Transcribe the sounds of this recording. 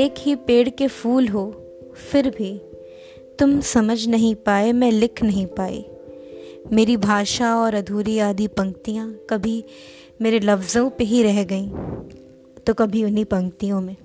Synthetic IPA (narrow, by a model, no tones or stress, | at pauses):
eːkɦipeːɽkefuːlɦo | fɪɾbʱi | t̪ʊmsɐməd͡ʒʱnɐɦĩpaːemɛ̃lɪkʰnɐɦĩpaːḛ | meːɾibʱaːʃaɔːɾɐd̪ʱuːɾiaːd̪ipɐ̃ŋk̚t̪ijãkɐbʱi | meːɾelɐfzõpeɦiɾɛɦɡɐĩː | t̪okɐbʱiʊnipɐ̃ŋk̚t̪ijõmẽː